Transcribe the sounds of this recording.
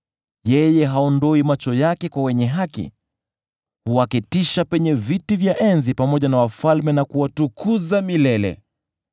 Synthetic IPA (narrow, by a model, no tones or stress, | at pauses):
jɛjɛɦaɔndɔimat͡ʃɔjakɛkwawɛɲɛɦakḭ | huakitiʃapɛɲɛvitivjaʔɛnzipamɔʄanawafalmɛnakuwatukʰuzamilɛlɛ̰